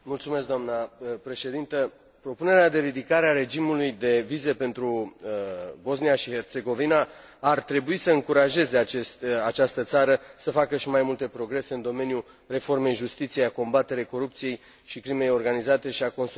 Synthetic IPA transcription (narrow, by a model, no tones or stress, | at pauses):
mult̪sume̞s̬kd̪amnəpɾe̞ʃe̞d̪int̪ə | pɾo̞pune̞ɾead̪e̞ɾid̪ikaɾeaɾe̞d͡ʒimulujd̪e̞vize̞pe̞nt̪ɾu | bo̞s̬nijaʃihe̞rt̪se̞ɡo̞vina | art̪ɾe̞buisəɨŋkuɾaʒe̞ze̞at͡ʃest̪at͡ʃast̪ət̪saɾəsəfakəʃimajmult̪e̞pɾo̞ɡɾe̞se̞ɨnd̪o̞me̞niju | re̞fo̞rme̞jʒust̪it̪sijejako̞mbat̪e̞ɾejko̞ɾup̚t̪sije̞j | ʃikɾime̞jo̞rɡanizat̪e̞ʃiako̞ns